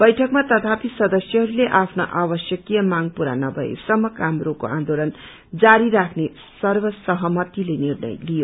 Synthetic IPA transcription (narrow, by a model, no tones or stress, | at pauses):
b̥ʌjʈʰʌkmat̪ʌt̪ʰapisʌd̪ʌsjʌɦʌɾuleʔapʰnoʔabʌsjʌkijʌmaŋpuɾa̰nʌbʱʌḛsʌmːʌkamrokoʔã̰nd̪olʌn | d͡zaɾiɾakʰne | sʌrbʌsʌɦʌmʌt̪ilenirnʌ̰jlijo